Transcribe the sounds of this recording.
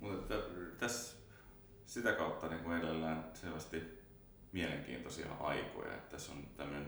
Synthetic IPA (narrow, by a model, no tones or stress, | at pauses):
mut̪et̪ːæt̪æs | sit̪ækɑut̪ːɑniːŋkuelelːæːnselʋæst̪i | mieleŋk̟ḭːnt̪osiɑ̰ʔɑ̰iko̰jɑ̰ḛt̪ːæso̰nt̪æmːøne